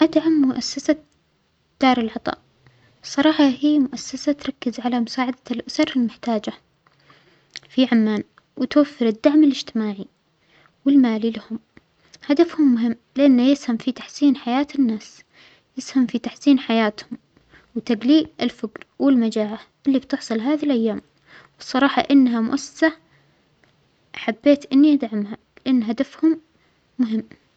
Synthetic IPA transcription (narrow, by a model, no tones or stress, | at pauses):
ʔad̪ʕamːʊʔasːasa | d̪̥ɑːɾˤɪlʕɑt̪ˤɑ̰ːʔ | sˤɑɾˤɑːħɑhiːmʊʔasːasat̪ɾˤɑkːɪzʕalamʊsaːʕad̪alʔʊsɑɾˤɪlmɪħt̪aːd͡ʒa | fiʕamːaːn | wɪt̪wafːɪɾɪd̪ːaʕmɪlɪd͡ʒt̪ɪmaːʕi | wɪlmaːlilahʊm | had̪afhʊmːʊɦɪmːlɪʔanːajɪshamfit̪aħsiːnħajaːt̪ɪnːaːs | jɪshamfit̪aħsiːnħajaːt̪hʊm | wt̪aɡliːɪlfɪɡɾwɪlmad͡ʒaːʕaʔɪlːibt̪ɨħsˤɨlɦaːðilʔajːaːm | wɨsˤɑɾˤɑːħɑ̰ʔɪnːɦamʊ̰ʔasːḁsa | ħabːeːt̪ʔɪnːiʔad̪ʕamha | lɪʔanːɦad̪afhʊmː | ʊɦɪmː